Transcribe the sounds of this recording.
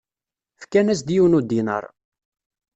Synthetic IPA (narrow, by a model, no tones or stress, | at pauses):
fkænæs̬d̪jiwnud̪inə̰ɾˤ